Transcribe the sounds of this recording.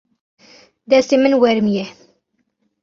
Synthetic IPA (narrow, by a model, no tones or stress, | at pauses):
d̪æsimənwɛɾmje